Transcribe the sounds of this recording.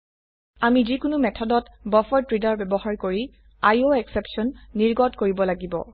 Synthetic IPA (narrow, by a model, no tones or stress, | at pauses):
amizikʊnʊmɛtʰɔdɔtbɔfɔɹtɹidaɹbɛbɔhaɹkoɹi | ajoɛksɛpsɔnːiɹɡɔtkoɹibɔlaɡibɔ̰